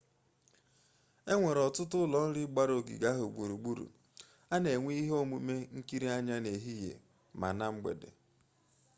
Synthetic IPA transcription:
e˦ŋʷe˨ɾɔ˨tʊ˦tʊ˦lɔ˨n̩˦ɾɪ˦ɡ͡ba˦ɾo˨ɡḭ˨ɡa˦ɦo˨ɡ͡bu˨ɾu˨ɡ͡bu˦ɾṵ˨ | a˦ne˨ŋʷe˦i˦ɦo˦mu˨me˦ŋ̩˦ki˦ɾi˦a˦ɲa˦ne˨ɦi˦jḛ˨ | ma̰˨na˦ŋ͡m̩˦ɡ͡bḛ˨dḛ˨

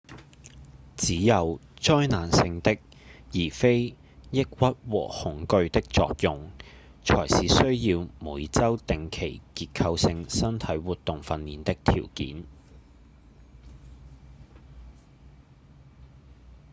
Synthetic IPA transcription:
t͡siː˨˥jɐ˨wt͡ʃɔː˥jnaː˨˩nsɪ˧ŋt̪ɪ˥k̚ | jiː˨˩fe˥j | jɪ˥k̚wɐ˥t̚wɔ̰ː˨˩hʊ˨˥ŋkɵ˧ɥt̪ɪ˥k̚t͡sɔ̰ː˧k̚jʊ˨ŋ | t͡ʃʰɔ̰ː˨˩jsiː˨sɵ˥ɥjiː˧wmuː˨˥jt͡sɐ˥wt̪ɪ˨ŋkʰe˨˩jkiː˧t̚kʰɐ˧wsɪ˧ŋsɐ˥nt̪ʰɐ˨˥jwuː˨t̪ːʊ˨ŋfɐ˧nːiː˨nt̪ɪ˥k̚t̪ʰḭː˨˩wkḭː˨˥n

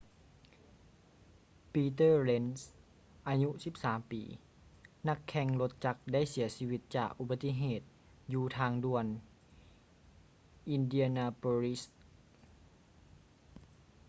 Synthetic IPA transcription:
piː˧t̪ɤː˥˩le˧ns | ʔaː˧ɲu˧˥si˧˦p̚saː˩˦mpḭː˨˦ | na˧˥kʰːɛ˧ŋlo˧t̪̚t͡ɕa˧k̚da˥˩jsi˩˦ɐsiː˧wi˧˥t̪̚t͡ɕa̰ː˨˩k̚ʔu˧ba˧t̪ːi˧˥ɦeː˨˩t̪̚ | juː˧t̪ʰaː˧ŋdu˧˩ən | ʔi˧ndi˧ɐ˧naː˧poː˧li˦˥s

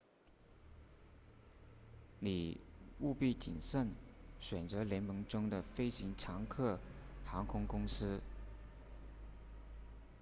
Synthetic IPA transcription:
ni˨˩u˥˧pi˥˩t͡ɕḭ˨˩nʂə˥˩nɕɥɛ˨˩nt͡sɤ˧˥ljɛ˧˥nmə˧˥ŋʈ͡ʂʊ˥ŋd̪ə˨fe˥ɪɕi˧˥ŋʈ͡ʂʰɑ˧˥ŋkʰɤ˥˩xɑ˧˥ŋkʰʊ˥ŋkʊ˥ŋsɹ̩˥

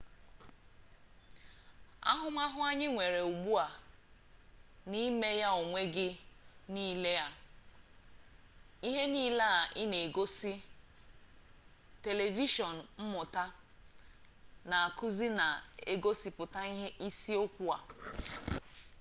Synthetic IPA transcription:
a̰˦ɦʊ˦ma˦ɦʊ˦a˦ɲɪ˦ŋʷe˨ɾe˨u˨ɡ͡bu˦a˨ | ni˦me˦ja˦o˨ŋʷe˦ɡɪ˦niː˦le˦ja˦ | i˦ɦe˦niː˦la˦a˨ʔɪ˦ne˨ɡo˦si˦ | te˨le˨vi˦ʃɔ˨n̩˨m̩˦mʊ˨ta˦ | na˨a˨kʊ˦zi˦na˨e˦ɡo˦si˦pʊ˨ta˦i˦si˦o˦kʷu˦a̰˨

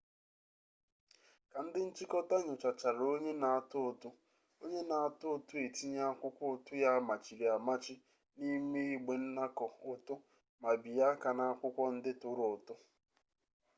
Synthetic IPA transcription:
ka˨n̩˦dɪ˦n̩˦t͡ʃi˦kɔ˦ta˦ɲʊ˨t͡ʃa˨t͡ʃa˨ɾo˦ɲe˦na˨a˨tʊ˦ʊ˨tʊ˦ | o˦ɲe˦na˨a˨tʊ˦˨tʊ˦e˨ti˦ɲa˦a˦kʷʊ˦kʷɔ˦ʊ˨tʊ˦ja˦ma˨t͡ʃi˨ɾi˨a˨ma˦t͡ʃɪ˦ | ni˦me˦i˨ɡ͡be˨n̩˦na˦kɔ˨ʊ˨tʊ˦ | ma˨bi˨ja˦ka˨na˦a˦kʷʊ˦kʷɔ˦n̩˦dɪ˦tʊ˨ɾʊ˨tʊ˦

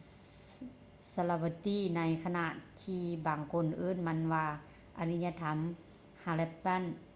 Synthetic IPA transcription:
sa˧la˧wa˧t̪iː˧˥˨na˧˥jkʰa˧na˧˨ʔt̪ʰiː˧baː˨˩ŋkʰo˧˥˨nʔɯː˧˥˨nma˧˥˨nʋaː˧ | ʔa˧ni˧ɲa˧t̪ʰa˧˦m | ha˧lɛ˧pːa˧˥˨n

